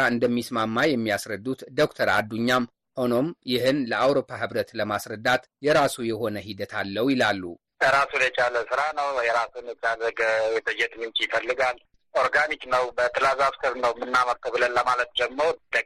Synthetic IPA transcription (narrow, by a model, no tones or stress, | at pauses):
aɨnd̪əmːismamːajɛmːiasɾəd̪ːut̪d̪o̞kt̪ʰəɾa̰d̪ːuɲːam | ho̞no̞mjɪhɨnləʔawɾo̞pʰːaɦɨβɾət̪ləmasɾəd̪ːat̪ | jɛɾasujɛho̞nəɦid̪ət̪ʰalːəwjɪlalːṵ | əɾasunjɛt͡ʃʼaləsɨɾanəwjɛɾasunjɛt͡ʃʼaləɡəjɛt̪ʰəd͡ʒɛt̪mɨnt͡ʃʼjɪfəlːɨɡal | oɾɡaniknəwbət̪ʰɨlazafsɨɾnəwmɨnːaməɾt̪ʰəβɨlənləmalət̪̚d͡ʒɛmːəɾod̪ə